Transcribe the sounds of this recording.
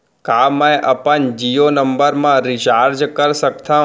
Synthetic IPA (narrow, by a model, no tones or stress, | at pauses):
kamə̃jʔəpənd͡ʒijonəmbəɾmãɾit͡ʃaɾd͡ʒkəɾsək̚t̪ʰã